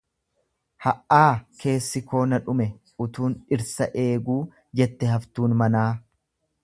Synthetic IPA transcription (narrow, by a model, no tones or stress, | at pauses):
hɐʔːaːke̞ːsːɪko̞ːnɐᶑʊmɛ | ʊt̪uːnɪɾsɐʔe̞ːɡuː | d͡ʒɛt̪ːɛɦɐft̪uːnmɐnaː